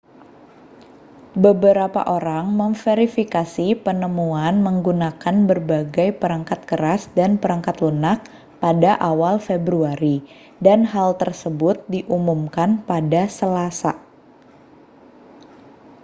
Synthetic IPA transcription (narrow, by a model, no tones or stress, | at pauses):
bəbəɾapa̰ʔoɾaŋməmfeɾifikasipənəmuanməŋɡunakanbərbaɡajpəɾaŋkat̪̚kəɾasdanpəɾaŋkat̪lunak̚ | padaʔawalfebɾuaɾi | danɦalt̪ərsəbʊt̪̚diʔumumkanpadasəlasa̰